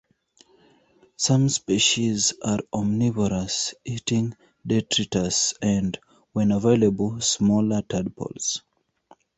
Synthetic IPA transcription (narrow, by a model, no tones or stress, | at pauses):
sãmspiʃizaɹɔmnivɔɹasitĩŋ | dɛtʰɹitəsɛ̃nd | wɛ̃nəveɪləbəlsmɔlətʰadpʰɔ̰ls